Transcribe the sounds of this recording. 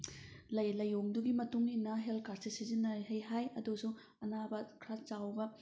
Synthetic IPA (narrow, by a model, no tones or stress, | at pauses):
lɐjlɐjoŋduɡimɐtuŋinɐɦelkaɾsisizinːɐɦɐjɦajɐdusu | ɐnabɐkʰɾat͡ʃawbɐ